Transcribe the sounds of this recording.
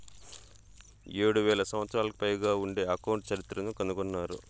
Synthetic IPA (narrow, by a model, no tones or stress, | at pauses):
eːɽuʋɛːlɐsɐmʋɐt̪sɾaːlɐki̥pɐjɡaːuɳɖe̞ːɐkɐwɳʈt͡ʃɐɾit̪ːɾɐnukɐnukɔnːaːɾṵ